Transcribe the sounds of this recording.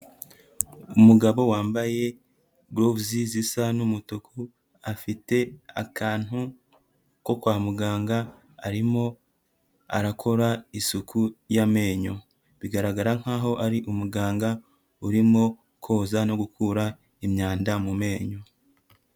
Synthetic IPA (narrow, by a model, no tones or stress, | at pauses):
umuɡaβo̞waːmbaje̞ | ɡɾobzizisanumutokʰu | afite̞akʰaːn̥hu | ko̞kwaːmuɡaːŋɡa̰ː | ɾimo̞ | a̰ɾakʰo̞ɾaisukʰujame̞ːɲo̞ | βiɡaɾaɡaɾaŋ̥haːɦo̞ʔaɾiʔumuɡaːŋɡa | uɾimŋo̞ | kʰo̞ːzano̞ɡukʰuːɾa | imɲaːndamume̞ːɲo̞